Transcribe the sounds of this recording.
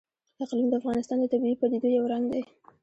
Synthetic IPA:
aqlimd̪əafɣɑnɪst̪ɑnd̪ət̪abipad̪id̪ojawɾɑnd̪e

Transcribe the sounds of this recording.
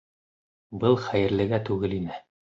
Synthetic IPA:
bɤlˠχæjɘ̆ɾlɘ̆ɡæt̪ʉɡɘlinɘ

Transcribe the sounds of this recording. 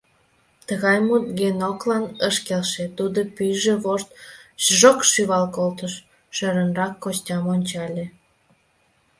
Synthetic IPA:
t̪əɣɑjmut̪̚ɡenoklɑnəʃkelʃet̪ud̪opyʒeβoʃt̪ʒokʃyβɑlkolt̪əʃ | ʃøɾənrɑkːostʲɑmonʲt͡ɕɑlʲe

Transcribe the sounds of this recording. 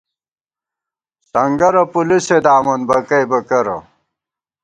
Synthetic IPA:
sɐŋɡɐɾɐpulised̪aːmɐnbɐkɐjbɐkɐɾɐ̰

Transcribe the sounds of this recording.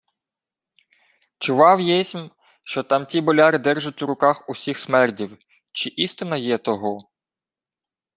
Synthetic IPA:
t͡ʃʊʋɑwjɛsʲm | ʃt͡ʃɔt̪ɑmtʲibɔlʲɑɾɪd̪ɛrʒʊtʲuɾʊkɑxusʲixsmɛrdʲiw | t͡ʃɪʔist̪ɪnɐjɛt̪ɔɦɔ

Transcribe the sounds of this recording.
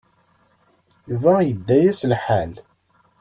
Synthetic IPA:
juvæjəd̪ːæjæslħal

